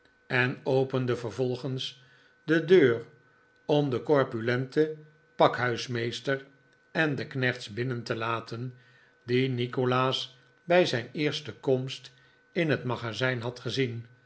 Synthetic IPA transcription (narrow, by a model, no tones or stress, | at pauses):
ɛnowpəndəvəɹvɔlˠχəns | dədøːr | ɔmdəkɔɹpylɛntə | pɑkɦœɥsmejstəɹ | ɛndəknɛχtsbɪnəntəlaːtʰən | dinikolaːs | bɛjzɛjnɪːɹstəkɔmst | ɪnɦətmɑχazɛjnɦɑtχəzin